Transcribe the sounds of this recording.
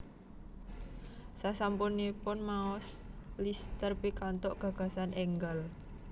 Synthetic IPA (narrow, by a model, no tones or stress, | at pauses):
sasampunepʊnmaɔslist̪ərpikant̪ɔʔɡ̥a̤ɡ̥a̤sanʔɛŋɡəl